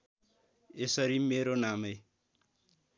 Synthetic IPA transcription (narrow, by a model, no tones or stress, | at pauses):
esaɾimeɾoname